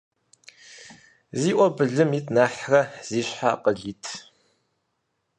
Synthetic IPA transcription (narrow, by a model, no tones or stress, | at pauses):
ziːʔʷɔbɨɮɨmiːtʰnaːħrɐz̥iːɕħa̰ːqəɮiːtʰ